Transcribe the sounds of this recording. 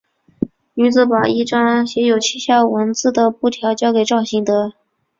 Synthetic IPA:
ny˧˥t͡sɹ̩˧˩pa˨˩i˥˩ʈ͡ʂɑ˥ŋɕjɛ˧˥jo˨˩ʊt͡ɕʰi˥ɕjɑ˥˩ʊwə˧˥nt͡sɹ̩˥˩d̪ə˩pu˥˩t̪ʰjɑ˧˥ʊt͡ɕjɑ˥ʊke˨˩ɪʈ͡ʂɑ˥˩ʊɕi˧˥ŋt̪ɤ˧˥

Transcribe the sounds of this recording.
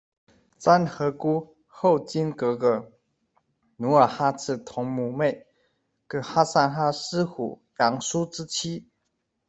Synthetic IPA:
t͡sa˦nxɤ˧˥ku˦ | xo˥˨ʊt͡ɕi˥nkɤ˧˥˦kə˧˥ | nu˧˥ə˞˨˩xa˥t͡s̩ʰ˥˩t̪ʰɔ˧˥ŋmu˨˩me˥˨˩ɪ | kɤ˧˥xa˥sa˥˧nxa˥s̩˥xṵ˨˩ | jɑ˧˥ŋsu˥˦ʈ͡ʂ̩˦t͡ɕʰi˥

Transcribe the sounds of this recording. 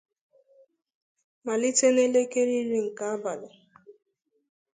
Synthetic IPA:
ma˨li˦te˦ne˦le˦ke˦ɾi˦ɾi˦ŋ̩˨ka˦a˦ba˨lʊ˨

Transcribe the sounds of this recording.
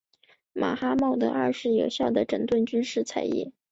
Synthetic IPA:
mʔa̰˨˩xa˥mɑ˥˩ʊd̪ə̰˩ɐ˞˥˧ʂɻ̩˥˩jo˨˩ʊɕjɑ˥˩ʊd̪ə˩ʈ͡ʂə˨˩ŋt̪wə˥˩nt͡ɕy˥nʂɻ̩˥˩t͡sʰa˨˩ɪjɛ̰˥˩

